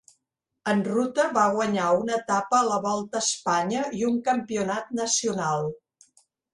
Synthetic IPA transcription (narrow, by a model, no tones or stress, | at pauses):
ənrut̪əβaɣwəɲaunət̪apəːləβɔlˠt̪əːspaɲəiuŋkəmpiunat̪̚nəsiunalˠ